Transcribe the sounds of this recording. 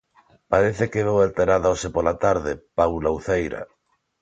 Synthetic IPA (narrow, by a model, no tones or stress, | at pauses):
paɾeθekeβewalt̪eɾaðaosepolat̪aɾðepawlawθejɾa̰